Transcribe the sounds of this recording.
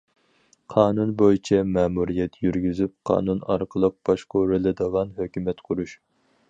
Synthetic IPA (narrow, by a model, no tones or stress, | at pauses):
qʰɑːnunbojit͡ʃʰɛmɛːmuɾijɛt̪jyɾɡʲyzyp̚qʰɑ̰ːnunɑ̰ɾqʰəlˠəq̚b̥ɑʃqʰoɾɪlɨd̪əʁɑnɦøkʲymɛt̪qʰʊɾuʃ